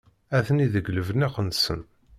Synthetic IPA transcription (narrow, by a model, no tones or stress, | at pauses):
æθəniðəɡləvnæqənsə̰n